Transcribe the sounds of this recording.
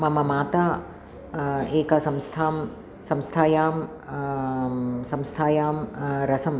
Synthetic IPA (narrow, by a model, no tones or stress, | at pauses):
mɐmɐmaːt̪aː | eːkasɐ̃mst̪ʰaːm | sɐ̃mst̪ʰaːjaːm | sɐ̃mst̪ʰaːjaːmɾɐsɐm